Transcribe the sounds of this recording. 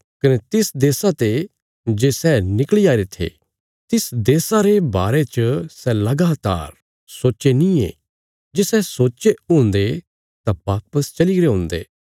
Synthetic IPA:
kɐnɛt̪ɪsd̪eːsat̪e | d͡ʒeːsɛnɪkliaːiɾet̪ʰḛ | t̪ɪsd̪eːsaɾebaːɾet͡ʃəsɛlɐɡaːt̪a̰ːɾ | soːt͡ʃenĩḛː | d͡ʒeːsɛsoːt͡ʃeũːnd̪e | t̪abaːpəst͡ʃɐliɡɾeɦʊ̃ːnd̪ḛː

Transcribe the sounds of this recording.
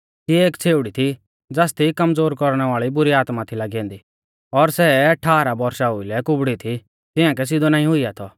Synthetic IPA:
sieːkt͡sʰeːʊɽit̪ʰi | d͡zaːst̪ʰikɐmd͡zoːɾkɔɾɽ̃ɛʋaːɭibʊɾiaːt̪mat̪ʰilaɡɛ̃ːnd̪i | ɔɾsɛʈʰaːɾabɔɾʃaɦʊilɛkʊbɽit̪ʰi | t̪ɪãk̬ɛs̬ɪd̪onaːĩɦʊiat̪ʰɔ

